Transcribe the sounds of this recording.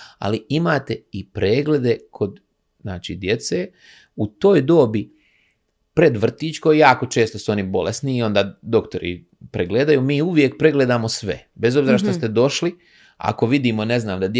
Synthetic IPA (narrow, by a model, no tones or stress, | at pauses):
a̰liimaːt̪e̞ipɾeːɡle̞d̪e̞kʰo̞d̪ | znaːt͡ʃḭːd̪je̞t̪se̞ː | ut̪o̞ːjd̪o̞ːbi | pɾe̞d̪ʋr̩t̪iːt͡ʃkojjaːko̞t͡ʃe̞ːst̪osuo̞nibo̞lḛsniːo̞nd̪aːd̪o̞kt̪o̞ɾḭ | pɾeɡled̪ajumiːuʋjek̚pɾe̞ɡle̞d̪aːmo̞sʋe̞̰be̞zobziːɾaʃ̬t̪ost̪ed̪o̞ʃli | a̰ko̞ʋid̪iːmo̞ne̞znaːmd̪ad̪j